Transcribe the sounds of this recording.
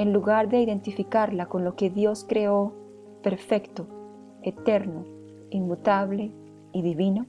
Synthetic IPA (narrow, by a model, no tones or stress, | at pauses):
enluɣaɾðeiðe̞nt̪ifikaɾlako̞nlo̞keðjo̞skɾeo | peɾfekt̪o | et̪eɾno | inmut̪aβle | iðiβino